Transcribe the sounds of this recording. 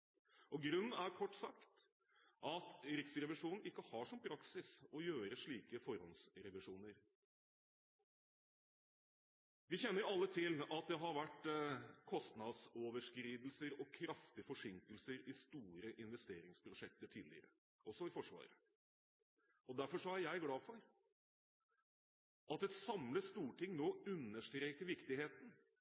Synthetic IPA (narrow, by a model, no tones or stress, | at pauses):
ʔɔɡɾʉn̩ːæɾkʰɔʈːsɑkt̪ | ʔɑt̪ɾɪksɾɛʋɪʂuːnn̩ɪkːəhɑʂɔmpʰɾɑksɪsɔjøːɾəʂɭiːkəfɔɾhɔnsɾɛʋɪʂuːnəɾ | ʋɪçɛnːəɾjʊɑlːət̪ʰɪlɑt̪̚d̪ɛɦɑɾʋæʈːkʰɔst̪nɑd̪soːʋəʂkɾiːd̪l̩səɾɔkʰɾɑft̪ɪəfɔʂɪŋkəlsəɾɪst̪uːɾəʔɪnʋɛst̪eːɾɪŋspʰɾʊʂɛk̚t̪əʈʰiːlɪ̰ɾə̰ | ɔsɔɪfɔʂʋɑ̰ːɾə | ɔd̪æɾfɔʂɔæɾjæɪɡlɑːfɔɾ | ʔɑt̪ɛt̪sɑmləst̪uːʈʰɪŋnoːʉnːəʂʈɾeːkəɾʋɪkt̪ɪheːt̪n̩